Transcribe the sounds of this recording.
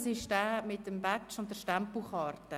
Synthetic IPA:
sɪʃdæːmɪtːəmbat͡ʃʊntdəʃtampl̩χɑːɾtə

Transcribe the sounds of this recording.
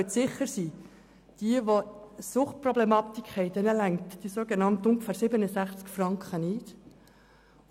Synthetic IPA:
ətsɪχəɾsiː | d̥iəʋosʊχt̚prɔblɛmɑːt̪ikhɛɪdɛnəlæŋt̪d̥isoːɡenɑntʊŋɡəfæːɾsɪbənəsæχt͡skfrɑŋkχənit

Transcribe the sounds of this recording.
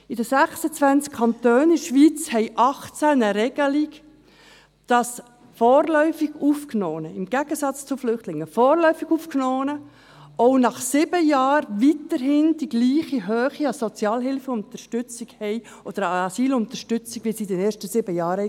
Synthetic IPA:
ɪdəsæχsət͡sʋænt͡skʰɑnt̪øːnɪʃʋiːt͡shɛɪʔɑχt͡sænəɾɛɡ̥əliɡ | d̥ɑs | fɔːrlœʏfiɡ̥uːfknɔːnəɪmɡ̥æɡ̥əsɑt͡st͡sʊflʏχtlɪŋːəfɔːɾlœʏfiɡ̥uːfknɔːnə | ɔʊnɑχsɪb̥əjɑːɾʋitəɾɦɪnd̥iɡliːχiɦøːχiɑsɔt͡sjɑːlɦɪlfəʊnt̪əʃtʏt͡siɡhɛɪ | ʔɔd̥̪əɾɑsiːlʊnt̪əɾʃtʏt͡siɡʋisidɛnɛːɾʃtəsɪbəjɑːɾə

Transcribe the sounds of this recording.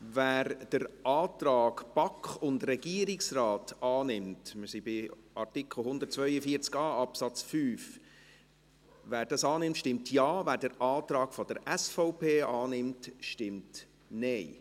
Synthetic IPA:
væːɾd̥əɾɑːtɾɑːɡb̥ɑkχʊndrɛɡiːəɾɪksrɑːtɑːnɪmtməɾsibɪʔɑrtɪkʰl̩ˠhʊnd̪ət̚t͡svœʏjəfiːət͡skɑːɑpsɑt͡sfyːf | væːɾdɑsɑːnɪmtʃtɪmtʰjɑːvæːɾd̥əɾʔɑːtɾɑːɡfɔd̥əɾɛsfɔʊpeːʔɑːnɪmtʃtɪmt | nɛɪ

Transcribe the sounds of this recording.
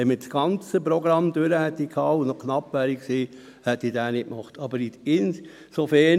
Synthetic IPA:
ɛməsɡ̥ɑnt͡səpɾɔɡɾɑmd̪øɾəhɛt̪ːikʰhɑːunɔknɑpːʋæːɾiksiː | hɛt̪ːidæːnɪtmɑχt̪ɑbəɾitɪn | sofɛ

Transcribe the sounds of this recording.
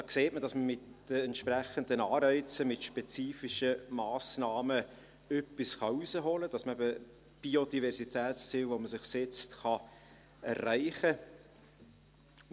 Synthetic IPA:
d̥ɑːkseːt̚məd̥ɑsməmɪtd̥əɛntʃprɛχəndənɑːɾɛɪt͡səmɪtʃpɛt͡siːfiʃəmɑːsnɑːmə | œpːisχɑusəɦoləd̥ɑsməɛbə | b̥iod̥ivɛrsitʰɛːtst͡siːlʋoməsɪχsɛt͡stχɑ | ɛ̰rːæɪχə

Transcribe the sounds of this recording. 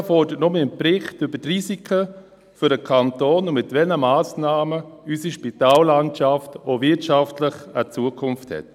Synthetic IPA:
fɔrdəətnɔməɪnpɾɪχtʏbətrisikʰə | fʏɾəkʰɑntoːnʊmɪtvɛlnəmaːsnaːməysiʃpitaːlːantaftovɪtʃaftləχət͡suəkʰʊnfthɛ̰t

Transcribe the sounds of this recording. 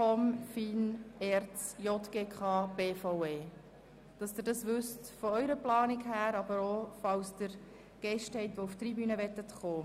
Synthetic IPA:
ɔmfinɛɾt͡sjɔt̪ɡ̥eːkʰɑːb̥eːfaweː | d̥ɑsd̥ɪːɾdɑsʋʏstfɔœʏɾəplɑːnɪkhæːɾɑbəɾofɑwsd̥̪əɾ | ɡ̥ɛʃthɛɪt̪ʋouft̪ɾibyːnəʋɛtət̪χoː

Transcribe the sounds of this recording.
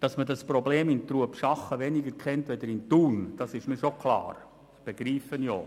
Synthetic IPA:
d̥ɑsmədɑspɾobleːmɪnt̪ruəpʃɑχəʋɛnɪɡəɾkʰχɛntʋɛdəɾɪntuːnd̥ɑsɪʃmiːʃokʰlɑ̰ːɾ | b̥ɛɡ̥ɾiːfənjo̰ː

